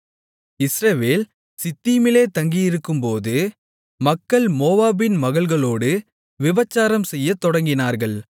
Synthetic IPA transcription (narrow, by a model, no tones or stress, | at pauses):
ɪsɾɐʋeːl | sɪt̪ːiːmɪleːt̪ɐŋɡijɪɾɯkːɯmpoːðɯ | mɐkːɐɭmoːʋaːbɪnmɐɣɐɭɣɐɭoːɽɯ | ʋɪbɐt͡ʃːaːɾɐmsɛjːɐt̪ːɔɽɐŋɡɪnaːɾɣɐɭ